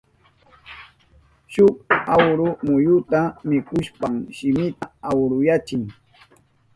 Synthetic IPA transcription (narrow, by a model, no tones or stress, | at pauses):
ʃʊkawɾʊmʊjʊt̪amɪkʊʃpamʃɪmɪt̪aawɾʊjat͡ʃɪŋ